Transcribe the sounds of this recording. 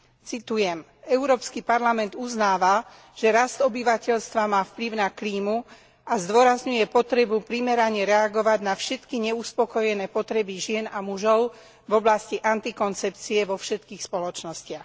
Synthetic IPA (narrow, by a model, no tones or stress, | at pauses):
t͡sit̪ujɛm | ɛʊɾɔːpskipaɾlamɛnd̪uznaːʋa | ʒ̥ɛɾasdt̪ɔbiʋacɛʎst̪ʋamaːfpliʊnakliːmu | ʔazd̪ʊɔɾazɲujɛpɔt̪ɾɛbupɾimɛɾaɲɛɾɛaɡɔʋaɟnafʃɛt̪kiɲɛuspɔkɔjɛnɛːpɔt̪ɾɛbiʒɪɛnamuʒɔʊ | vɔblasciʔant̪ikɔnt͡sɛpt͡siɛʋɔfʃɛt̪kiːxspɔlɔt͡ʃnɔscɪax